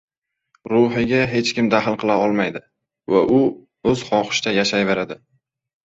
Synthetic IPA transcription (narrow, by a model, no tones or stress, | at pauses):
ɾʊɦɪɡʲaɦe̞t͡ʃkʲɪmd̪aɦlˠqʰɨlˠaɒlˠmajd̪ɪ | vaʔʊ | ɵz̥χɒqɪ̥ʃt̪ajaʃajve̞ɾad̪ɪ